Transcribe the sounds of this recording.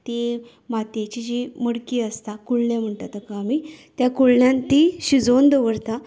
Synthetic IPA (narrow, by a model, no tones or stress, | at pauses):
t̪e | mat̪et͡ɕid͡ʑiməɽkiəst̪akuɭɳam̤əɳʈat̪akaːmit̪jakuɭɳjãnt̪iɕid͡zond̪əʋəɾt̪a